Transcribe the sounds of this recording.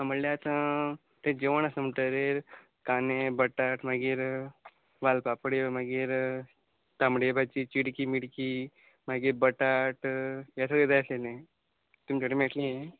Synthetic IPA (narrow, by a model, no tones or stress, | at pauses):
aməɽleat̪ã | t̪ẽd͡ʑeʋəɳ̃asəmʈ̪əɾeɾ | kanebəʈaʈm̤aɡiːɾ | ʋalpapɽemaɡiːɾ | t̪amɽebʱat͡ɕit͡ɕiɽkimiɽki | m̤aɡiːɾbəʈaʈjasaɡɭed̪ajsenẽ | t̪umt͡ɕaʈemeʈlie